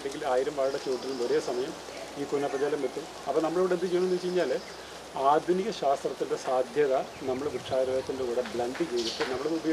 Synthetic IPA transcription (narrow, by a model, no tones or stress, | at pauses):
ɽeŋɡilaːjiɾɐmʋaːɻɐɽɐt͡ɕoːʈːilumo̞ɾe̞ːsɐmɐjɐm | iːkunːɐpːɐd͡ʑaːlɐmʋet̪ːum | ɐpːɐnɐmːɐɭeʋiɽend̪ɨt͡ɕejɳuent͡ɕejiɲːaːle | aːd̪ʱuniɣɐɕaːst̪rɐt̪ːinde̞saːd̪ʱjɐðɐ | nɐmːɐɭekuʈʂaːɾɐɣɐt̪ːindekuːɽɐbɭɐnd̪ɨd͡ʑejðitːɨnɐmːɐɭeubɐjo